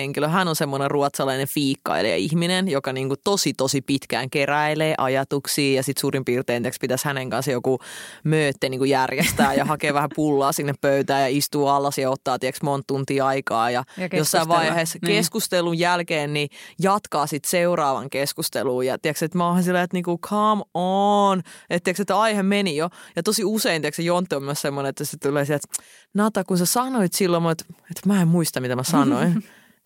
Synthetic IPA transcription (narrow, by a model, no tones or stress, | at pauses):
eŋkiløɦænonsemːoneruɑt̪sɑlɑinefiːkːɑ̰ilḛjɑ̰ihminenjokɑniːŋkut̪osit̪osipit̪kæ̰ːŋkeræileːʔɑjɑt̪uksiːjɑsit̪suːrimpiːrt̪eːnt̪ekspit̪æshæneŋkɑnsjokumøːt̪ːeniːŋkujærjest̪æːjɑhɑkeːʋæhæpulːɑːsinːeppøyt̪æːjɑist̪uːɑlːɑsjɑot̪ːɑːt̪iɛksmont̪t̪ːunt̪iːɑikɑːjɑjosːɑiʋʋɑiheːskeskust̪elujjælkeːnnijɑt̪kɑːsit̪seurɑːʋɑ̰ŋkeskust̪ḛluːjɑ̰t̪iɛkset̪mohɑnsilːeːet̪niːŋkukʰɑmonet̪t̪ːiɛkset̪ɑihemenijojɑt̪osiuseint̪iɛksejont̪ːiomyøssemːoneet̪ːæset̪uleːsiæt̪ | nɑt̪ɑkunsesɑnoit̪silːomut̪et̪mæːemmuist̪ɑmmit̪æmæsɑnoin